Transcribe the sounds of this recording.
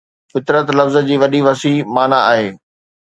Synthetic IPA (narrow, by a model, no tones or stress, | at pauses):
fɪt̪ɾət̪lɐfzə̆d͡ʑiːʋɐɗiʋɐsimaːnaaːɦeː